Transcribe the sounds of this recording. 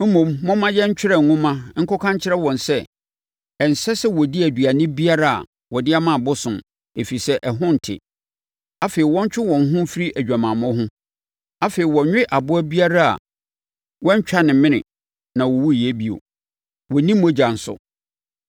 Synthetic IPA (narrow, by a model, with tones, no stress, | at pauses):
m̩˦mũ˨mːɔ̃˦mã˦jɛ˦ɲ̩˦t͡ɕᶣɪ˦ɾɛ˨ŋ̩˨ŋʊ̃˦mã˦ŋ̩˦kɔ˦kʰã˦ɲ˦t͡ɕʰɪ˦ɾɛ˦wɔ̃˨nsɛ˦ | ɛ˨n̩˨sɛ˦sɛ˦wɔ˨di˦æ˨dɥa˨nɪ̃˦bi˦a˦ɾa˦a̰˨ | wɔ˨dɪ˦a˦mã˦˨bʊ˦sʊ̃˨m | e˨fi˨sɛ˦ʔɛ˨ɦʊ̃˦n̩˨tʰɪ̰˨ | a˦fe˨ɾi˨wɔ̃˦ɲ˦t͡ɕᶣɪ˦wɔ̃˨n˨ɦʊ̃˦fi˦ɾi˦ʔæ˨d͡ʑᶣa˨mã˨mɔ̃˦ɦʊ̃˦ | a˦feː˨i˨wɔ˨ɲᶣɪ̃˦ʔa˨bʊ˦æ˦bi˦a˦ɾa˦a̰˨ | wɔ̃˦ɲ̩˦t͡ɕᶣa˦nɪ̃˨mɪ̃˦nɪ̰̃˨ | nã˨wɔ˨wu˦˨je˦bi˦o̰˨ | wɔ˨nĩ˦mː˦õ˦d͡ʑa˨n̩˨sʊ̰˨